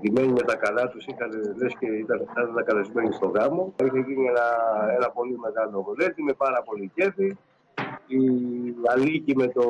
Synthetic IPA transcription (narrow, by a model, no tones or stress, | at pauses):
t̪ime̞nime̞t̪ɐkɐlɐt̪usixɐnelesceit̪ɐθɐnnɐkɐlezme̞nist̪o̞ɣɾɐmo̞içeʝinienɐenɐpo̞lime̞ɣɐlo̞vule̞t̪ime̞pɐɾɐpo̞lice̞fi | iɐlicime̞t̪o̞